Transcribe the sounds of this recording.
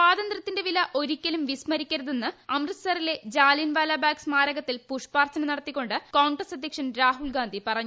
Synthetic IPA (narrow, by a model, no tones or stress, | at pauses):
saːðɐnd̪rɐt̪ːindeʋilɐʔo̞ɾikʲːɐlumʋismɐɾikʲːɐɾɐðenːɨɐmrɐsɐrile̞d͡ʑaːlinʋaːlaːbaːksmaːɾɐɣɐt̪ːilpuʂpaːrt̪ʰɐnɐnɐɽɐt̪ːikʲːo̞ɳɖɨkoːɳɡrɐsɐd̪ʱjɐkʂɐnɾaːɦulɡaːnd̪ipɐrɐɲːu